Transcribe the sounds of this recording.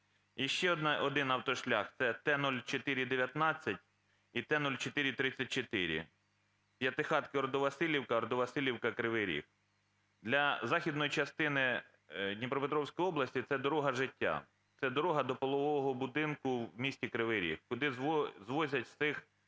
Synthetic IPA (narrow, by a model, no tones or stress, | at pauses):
iʃt͡ʃɛɔɔd̪ɪnɐwt̪ɔʃlʲɑxt̪sɛt̪ɛnɔlʲt͡ʃɔt̪ɪɾʲid̪eʋʲjɐt̪nɑt͡sʲːɐtʲ | it̪ɛnulʲt͡ʃet̪ɪɾʲit̪ɾɪt͡sʲːɐt̚ʲt͡ʃet̪ɪɾʲḭ | pʲjɐt̪ɪxɑt̪kɪɔɾɔd̪ɔʋɐsɪlʲiwkɐɾɔd̪ɔʋɐsɪlʲiwkɐkɾɪʋɪɾʲḭk̚ | d̪lʲɐzɑxʲid̪nɔjit͡ʃɐst̪ɪnɪ | d̪ʲnʲipɾɔpet̪ɾɔwsʲkɔjɔblˠɐsʲtʲit̪sɛd̪ɔɾɔɦɐʒɪtʲːa̰ | t̪sɛd̪ɔɾɔɦɐd̪ɔpɔlˠɔʋɔɔɦɔbʊd̪ɪnkʊmʲisʲtʲikɾɪʋɪɾʲḭkkʊd̪ɪzzʋɔzʲɐtʲsɪx